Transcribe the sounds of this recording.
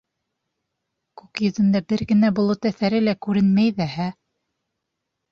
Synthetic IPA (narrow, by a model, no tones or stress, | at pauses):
kʉkjɵ̆ðɘ̆nd̪æbɘɾɡɘ̆næbulˠɤt̪æθæɾɘlækʉɾɘnmæjðæɦæ